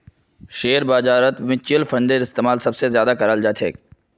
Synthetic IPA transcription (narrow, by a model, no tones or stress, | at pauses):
ʃeːɾbaːd͡ʒaːɾət̪mɪ̃t͡ʃɪlfʰɐ̃ɳɖeɾɪst̪eːmaːlsɐbsezjaːd̪akɐɾəld͡ʒaːt̪ʰḛː